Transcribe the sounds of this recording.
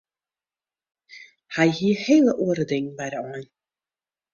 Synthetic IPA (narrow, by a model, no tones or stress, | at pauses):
hɛjhiəheːlˠəʔuəɾədɪŋbɛjdəɔn